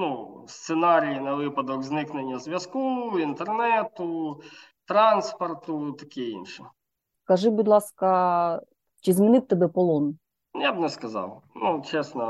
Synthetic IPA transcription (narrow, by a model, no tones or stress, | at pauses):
nust̪sɛnaɾʲijinɐʋɪpɐd̪ɔkznɪknenʲːɐzʲʋʲjɐskuint̪ernɛt̪ʊ | t̪ɾɑnspɐrt̪ʊt̪ɐkiḭnʃɪ | kɐʐɪbud̪lˠɑskɐ | t͡ʃizmɪnɪt̪̚ʲt̪ːɐbɛpɔlˠɔn | jabnɛskɐzɑ̰wnut͡ʃɛsnɐ